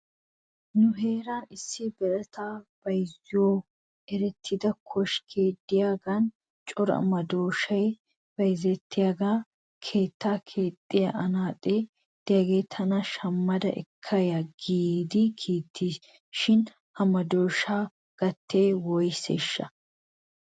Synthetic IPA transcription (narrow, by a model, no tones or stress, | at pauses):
nʊɦe̞ːɾaːnɪsːɪbɛʔɐt̪ʰaːb̥ɐjzɪjoː | ʔɛɾɛt̪ʰːɪd̪ɐkʰɔʃkʰeːt̪ʼːɪjaːɡɐn | t͡ʃʼɔɾɐ̰mɐd̪oːʃɐj | b̥ɐjzɛt̪ʰːɪjaɡaː | kʰe̞ːt̪ːaːkʰeːt̪ʼːɪjaʔnaːt̪ʼeː | d̪̥ɪjaɡeːt̪ʰɐnɐʃɐmːɐd̪ɐ̰ʔɪ̰kʰːɐjɐɡiːd̪ɪkʰiːt̪ʰːiːs | ʃɪn | hɐmɐd̪oːʃaː | ɡ̥ɐt̪ːeːwɔjseʃːɐ̰